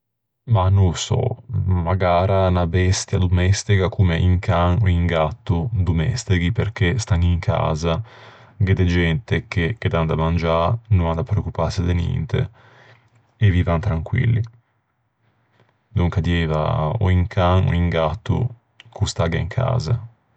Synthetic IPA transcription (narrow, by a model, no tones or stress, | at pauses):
manũlsɔ̰maɡaːɾanabɛst̪jad̪umɛst̪ikakumeʔiŋkʰaŋoiŋɡat̪ːud̪umɛ̰st̪iɡiperkest̪aŋiŋkʰa̰ːza | ɡed̪ed͡ʒɛnt̪ekeked̪and̪amand͡ʒaɾnunand̪apɾeokːupased̪enjɛ̰nt̪ḛ | evivant̪ɾaŋkwḭlːi | nuŋkad̪ɛva̰ɔ̰iŋkʰaŋo̰iŋɡat̪ːṵ | kʰust̪aɡaiŋkʰa̰ːza